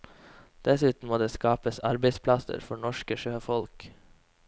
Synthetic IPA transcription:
d̪̥ɛsʉːt̪n̩moːd̪eːskɑːpəsɑɾbəɪspʰlɑsə̰ɾfɔɳɔʃkəʃøːfɔlk

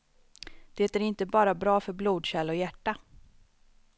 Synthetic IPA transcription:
d̪̥eːt̪æɾɪnt̪əbɑːɾabɾɑːfœɾbluːd̪ɕɛlɔjæʈːa

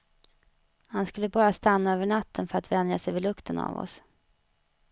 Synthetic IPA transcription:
hanskɵlːəbɑːɾast̪anːaøːvəɳat̪ʰːənfœɾat̪vɛnd̪ɾasɛjvɪlɵkt̪ʰəna̰vɔ̰s

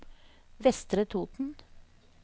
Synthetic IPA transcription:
ʋɛst̪ɾət̪ʰuːt̪n̩

